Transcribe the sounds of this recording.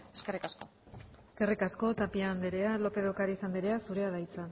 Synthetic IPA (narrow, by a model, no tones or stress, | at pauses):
eskerikasko̞ | eske̞rikasko̞t̪apiand̪eɾe̞alo̞pe̞ðokaɾaisand̪iɾe̞asuɾe̞aðajt͡sa